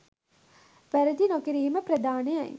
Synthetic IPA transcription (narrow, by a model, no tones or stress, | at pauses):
ʋæɾəd̪inokiɾiɦiməpɾɐd̪aːnejɐ̰j